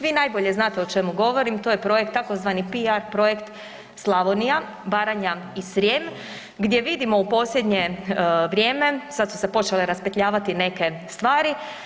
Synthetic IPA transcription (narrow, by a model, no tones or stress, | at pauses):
ʋiːnajbo̞ʎe̞znaːt̪e̞o̞t͡ʃe̞muɡo̞ʋo̞ɾimt̪o̞ːjepɾo̞jek̚t̪ːako̞zʋanipiaɾpɾo̞jekt̪ | slˠaʋonija | baːɾaɲaisɾjeːm | ɡd̪je̞ʋid̪imo̞upo̞ːslʎe̞d̪ɲe̞ʋɾʲje̞ːme̞sad̪su̥se̞po̞t͡ʃeleɾaspet̪ʎaːʋat̪ine̞ke̞ | st̪ʋaːɾi